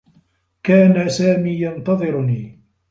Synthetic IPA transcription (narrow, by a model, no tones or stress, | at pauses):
kaːnasaːmiːjɑnt̪ɑðˤɨɾniː